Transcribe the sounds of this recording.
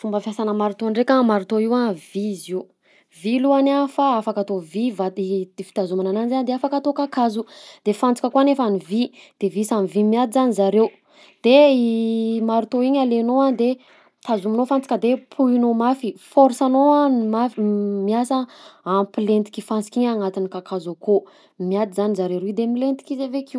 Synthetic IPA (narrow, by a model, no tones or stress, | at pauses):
fumbəfjasanəmaɾut̪oaɳɖ͡ʐekʲamaɾut̪oiwaviziw | viluanafaafakat̪ovivaifi̥t̪azumanananzanid̪eafakat̪okakazud̪̥efant͡si̥kʲəkuanefanivid̪̥evisanivimiat̪izanizaɾew | d̪̥eimaɾut̪oiɲalenoad̪e | t̪ʰazuminofant͡si̥kʲəd̪epʰuinomafifɔɾsanoamamiasəampilent̪i̥kʲifant͡si̥kʲiɲaŋat̪inikakʰazako | miat̪izanizaɾewɾid̪emilent̪i̥kizeveki